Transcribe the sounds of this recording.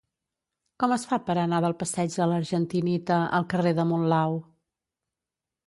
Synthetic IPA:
kɔməsfapəɾənaðəlˠpəsɛd͡ʒd̪ələɾʒənt̪init̪əʔə̰lˠkəreðəmunlaw

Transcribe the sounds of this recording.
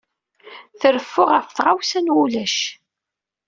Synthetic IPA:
θəɾəfːʊʁəfθʁawsænwulæʃ

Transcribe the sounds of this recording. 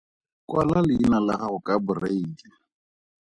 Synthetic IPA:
kwalalɪinalaɣahʊkʼabʊreiːdɪ

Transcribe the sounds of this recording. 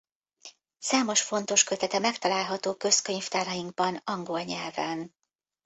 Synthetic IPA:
saːmo̞ʃfo̞n̪t̪o̞ʃkøt̪ɛt̪ɛmɛkt̪ɒlaːlɦɒt̪oːkø̞skø̞ɲft̪aːɾɒjiŋɡ̚bɒnɒŋɡo̞lɲɛlvɛn

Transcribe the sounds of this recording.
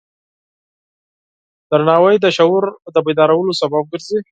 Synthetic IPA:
d̪̥əɾnɑwajd̪əʃawʊɾd̪əbajd̪ɑɾawəlosabab̚ɡəɾzi

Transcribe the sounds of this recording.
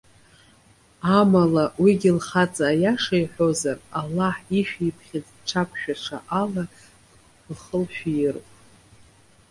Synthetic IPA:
amalawiɡʲilχat͡sʼaːjaʂajħʷᶣozaralːaħiʃᶣijpʰχʲɪt͡sʼʈ͡ʂʰapʷʰʃᶣaʈ͡ʂʰa̰ʔala | lχəlʃᶣijɪrpʼ

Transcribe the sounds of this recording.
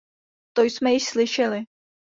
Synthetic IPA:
t̪ojsmɛjɪʃslɪʃɛlɪ

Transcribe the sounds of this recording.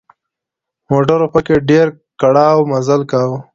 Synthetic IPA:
moʈəɾopəkeɖeɾ | kaɽaːwmazəlkaw

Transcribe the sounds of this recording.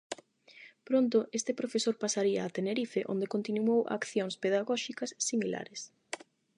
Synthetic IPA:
pɾont̪̬oʔest̪epɾofesoɾpasaɾiɐ̰ːt̪eneɾifeʔo̰nd̪ekont̪inuowʔa̰kθjoŋspeðaɣɔʃikɐsːimila̰ɾes

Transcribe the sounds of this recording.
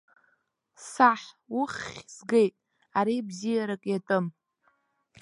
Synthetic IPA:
saħ | ʊχʲzɡe̞jtʼ | aɾibzijaɾakʼjatʼɨm

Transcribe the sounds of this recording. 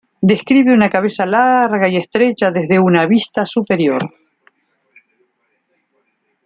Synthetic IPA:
d̪e̞skɾiβeunakaβesalaɾɣaiest̪ɾet͡ʃaðezðe̞unaβist̪asupe̞ɾjo̞ɾ

